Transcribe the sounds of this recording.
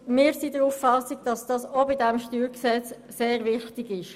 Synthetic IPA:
mɪːɾsidəɾufːɑsiɡ̚d̥ɑsd̥ɑːsobɪdɛmʃtyːɾksɛt͡sːeːɾvɪxtɪɡɪʃ

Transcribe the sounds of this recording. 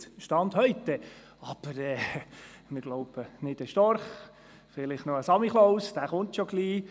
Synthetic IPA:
ʃtɑnd̪hœʏt̪ːɛ | ɑb̥əɾɛː | mɪɾɡloʊb̥ənɪd̥̪ɛʃtɔɾχ | fɪlɪχtnɔəsɑmiχlowsd̪æːχʊnt̪ʃoɡliː

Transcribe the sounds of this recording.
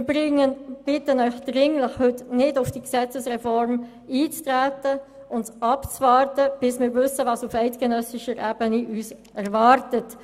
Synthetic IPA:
ɪɾbɪŋəb̥ɪtənœʏxd̥ʁɪŋləχhʏtnɪdʊfd̥iksɛt͡səsʁɛfɔɾm | iːt͡stʁæːtə | ʊntsɑpt͡svɑːɾtəb̥ɪsmɪːɾvʏsəvɑːsufɛɪtɡ̥ɛnœsɪʃəɾʔæːbəniʔyːsʔɛɾvɑːɾtət

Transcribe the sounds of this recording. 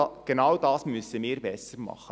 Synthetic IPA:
ɡ̥enɑwdɑːsmysəmiːɾbɛsəɾmɑ̰χə

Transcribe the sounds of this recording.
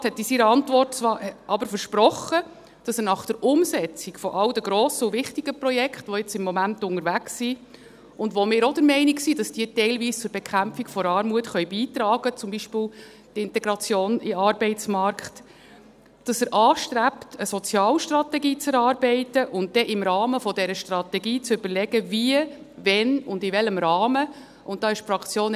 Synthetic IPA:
thɛt̪ːisiɾəɑntʋɔrtt͡sʋɑːɾɑbəɾfəɾʃpɾɔχə | d̥ɑsənɑχd̥əɾʔʊmsɛt͡sikfɔʔɑldəɡɾoːsəʊvɪχtiɡəpɾɔjɛkχtʋɔɪt͡sɪmːɔmæntʊŋəɾʋæksːi | ʊndʋɔmɪːɾɔdəɾmɛɪniksid̥ɑsd̥iːətɛɪlviːst͡sʊɾbɛkχæmpfikfɔɾɑːɾmuətχœjbiːt̪ɾɑːɡət͡sʊmbiʃpɪːl | tɪntɛɡɾɑt͡sjoːniɑɾbɛɪtt͡smɑɾkχt | d̥ɑsəɾʔɑːʃtɾæptəsɔt͡sjɑːlʃtɾɑtɛɡiːt͡sɛɾɑːɾbɛɪtəʔʊnt̚d̥ɛʔɪmɾɑːməfɔdɛɾəʃtrɑt̪ɛɡiːt͡sʏb̥əɾlɛɡ̥əviə | vɛnʊndɪvɛləmɾɑːmə | ʊnt̚d̥ɑːɪʃfɾɑkt͡sjoːn

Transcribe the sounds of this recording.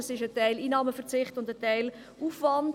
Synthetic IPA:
əsɪʃətæɪliːnɑːməfəʁt͡sɪχtʊndətæɪl | ʔuːfvɑnd

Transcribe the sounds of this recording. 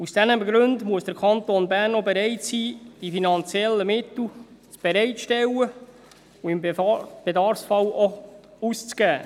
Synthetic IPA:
usd̥ænəmɡɾʉndmuəsd̥əɾkʰɑnt̪onbæɾnobeɾɛɪtsiːd̥ifinɑnt͡sjɛlːəmɪt̪l̩t͡sb̥eɾɛɪtʃtɛwə | uɪmb̥edɑɾfsfɑloust͡sɡ̥æː

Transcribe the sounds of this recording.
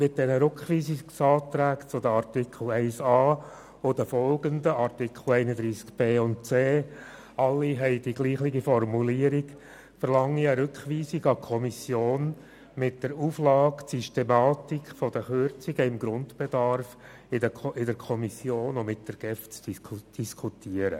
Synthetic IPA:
mɪt̚d̥ɛnəɾøkχʋiːsiksɑːtɾæːkt͡sʊdəɑɾtikʰl̩ɛɪsɑː | od̥əfɔlɡəndəɑɾtikʰχl̩ɛɪnəd̪ɾiːskb̥eːʊntt͡seː | ɑlːiɦɛɪd̥iɡliːχlɪɡifɔrmuliəɾiɡ | fəɾlɑŋːiəɾʏkχʋiːsɪɡɑkʰɔmisjoːn | mɪt̚d̥əɾuːflɑːksyʃtemɑːtikfɔdəχʏɾt͡siɡəɪmɡɾʊndb̥ɛdɑɾf | ɪəɪdəɾkʰɔmisjoːnʊmɪt̚d̥əɾɡ̥ɛft͡sd̥iskʰutiəɾə̰

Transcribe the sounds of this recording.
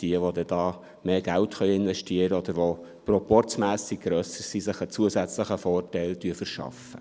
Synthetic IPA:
d̥iəʋod̪ɛd̪̥ɑː | meːɡ̥æltxœjɪnʋɛʃtiəɾəɔd̥̪əɾʋo | prɔpɔrt͡smæːsiɡ̚ɡ̥ɾœsəɾsisəχət͡suəzæt͡sləχəfɔːrtæɪltyəfəɾʃɑ̰fə

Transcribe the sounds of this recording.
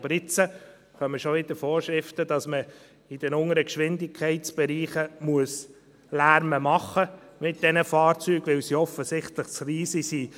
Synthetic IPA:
bɾɪt͡sə | χœməʃoɪdəfoːɾʃɾɪftədɑsmə | ɪd̥ɛnʊŋəɾəkʃʋɪndɪkʰɛɪtsb̥ɛɾiːχəmuəs | læːɾməmɑχə | mɪt̚d̥ɛnəfɑːɾt͡syːɡ̥ʋɪwsiɔfəsɪχtlɪχsriːsisiː

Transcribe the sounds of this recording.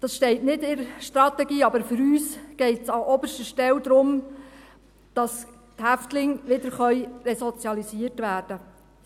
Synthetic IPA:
d̥ɑsʃtɛɪtnɪdɪɾʃtɾɑt̪ɛɡiːɑbəɾfʏɾyːsɡ̥ɛɪtsɑʔɔbəʃtəʃtɛld̪ɾʊm | d̥ɑs | thæftlɪŋʋɪdəɾχœʏrɛsɔt͡sjɑlisiərtʋæːrd̥ə

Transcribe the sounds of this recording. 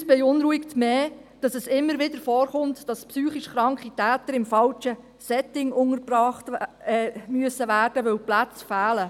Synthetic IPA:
sb̥ɛʊnɾuiktmeːd̥ɑsɛsɪmːəɾʋɪdəɾfɔːrχʊmtd̥ɑspsyːχiʃχɾɑŋkχitæːtəɾɪmfɑlt͡ʃə | sɛtɪŋʊŋəpɾɑːχtː | myəsəʋæːrd̥əʋœwplæt͡sfæːlə

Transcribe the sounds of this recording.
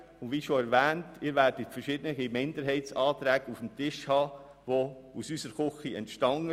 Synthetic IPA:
ʊndʋiːʃoɛɾʋɛːntɪːɾʋæɾd̥ətfəɾʃɪdənəɡimɪndəɾɦɛɪtt͡sɑːtɾɛːɡufm̩tɪʃhɑː | ʋousysəɾχʊχiɛ̰ntʃtɑŋə

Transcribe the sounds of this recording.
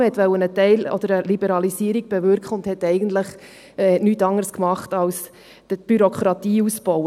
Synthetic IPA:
hɛt̪ʋɛwənətɛɪlɔ̰d̥̪əɾəlibəɾɑlisiːəɾiɡ̥̚b̥ɛvʏɾkχəʊndhɛtɛɪɡənt̪ləχ | ɛːnytɑŋəɾskmɑχtɑls | əb̥yɾokχɾɑtiːusb̥ɔʊə

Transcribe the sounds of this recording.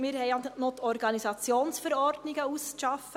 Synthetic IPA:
mɪːɾhɛɪɑnot̪ʰɔɾɡɑnisɑt͡sjoːnsfəɾɔɾdnɪɡəuskʃɑfə

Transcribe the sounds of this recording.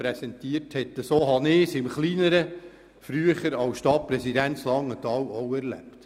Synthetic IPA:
ɾɛsɛntiəɾthɛt̪ːəsoːɦɑnɪsɪmχliːnəɾə | fɾyəχəɾɑwsʃtɑt̚pɾɛsidænslɑŋːətɑːwɔwɛɾlæ̰pt

